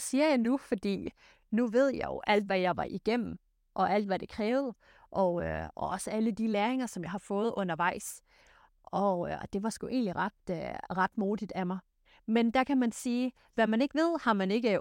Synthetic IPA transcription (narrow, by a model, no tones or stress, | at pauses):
siːɐjɑ̈ɪnufɒ̽d̥ḭː | nuʋe̝ð̞̰ˠjɑ̈ɪjo̰ʔæl̰d̥ʋæjɑ̈ɪʋɑ̈ʔiɡ̥em̰m̩ | ʔɒ̽ʔæl̰d̥ʋæɾ̥e̝kʰʁɛːʊð̞̩ˠ | ʔɒ̽ɒɒ̽səæləd̥ilæːɐeŋɐsɒ̽mjɑ̈ɪhɑ̈fɔ̽ːð̩ˠɔ̽nɐʋɑ̈ɪ̰s | ʔɒ̽d̥e̝ʋɑ̈sɡ̥uʔe̝̰ːnliʁɑd̥ʁɑ̈d̥moːid̥æmɑ̈ɪ | mend̥æ̈kʰæmænsiː | ʋæmæne̝ɡ̥əʋe̝ð̞̰ˠhɑ̈mæne̝ɡ̥ə